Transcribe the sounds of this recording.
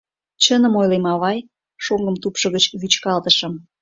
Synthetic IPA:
t͡ɕənə̆mojlemɑβɑj | ʃoŋɡəmt̪upʃə̆ɣət͡ɕβyt͡ɕkɑlt̪əʃə̆m

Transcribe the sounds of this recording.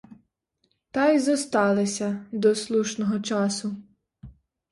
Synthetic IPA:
t̪ɑjzɔst̪ɑlˠesʲɐd̪ɔslˠuʃnɔɦɔt͡ʃɑsʊ

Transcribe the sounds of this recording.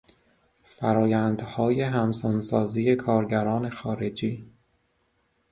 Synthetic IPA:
fæɾɒːjænd̪̥hɒːje̞ɦæmsɔnsɒːziːje̞kʰɒːɾɟæɾɒːne̞xɒːɾe̞d͡ʒiː

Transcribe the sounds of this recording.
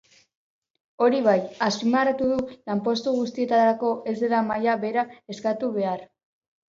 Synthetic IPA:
o̞ɾiβajasimaɾat̪uðulampo̞st̪uɣust̪ie̞t̪aɾako̞ʔe̞zd̪e̞lamajaβe̞ɾae̞skat̪uβe̞aɾ

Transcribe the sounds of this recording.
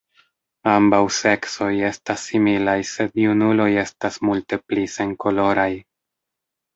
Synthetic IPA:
ambawse̞kso̞je̞stasːimilajse̞djunulo̞je̞stasmulte̞plise̞ŋko̞lo̞ɾaj

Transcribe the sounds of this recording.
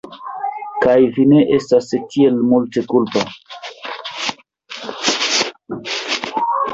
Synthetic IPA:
kajvine̞ʔe̞stastie̞lmulte̞kulpa̰

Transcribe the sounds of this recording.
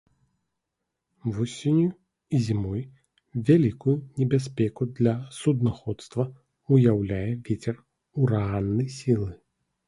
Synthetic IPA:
vɔsʲenʲju | izʲimɔj | vʲalʲikujunʲɛbʲas̬ʲpʲɛkud̪lʲɐsud̪naxɔt̪st̪vɐ | ujawlʲajɛvʲet͡sʲɛr | uɾaɣanːɐjsʲilˠɨ

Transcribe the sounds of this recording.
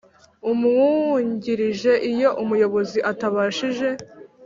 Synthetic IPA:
umŋuɲɟiɾiʒe̞ʔijo̞ʔumujo̞βo̞ziʔataβaːʃiʒe̞

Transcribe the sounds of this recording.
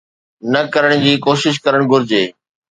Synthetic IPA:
nɐkɐɾəɽ̃d͡ʑiːkoːʃɪʃ̬kɐɾəɽ̃ɡʱʊɾɪd͡ʑeː

